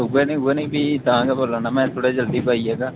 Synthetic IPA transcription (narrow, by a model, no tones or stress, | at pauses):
ɦʊɛːnə̃ːɦuɛːnĩːbʱiːt̪əãːɡaːboːlaːnaːmɛ̃ːt̪ʰoːɽeːd͡ʒəld̪iːpaːiɛːɡaː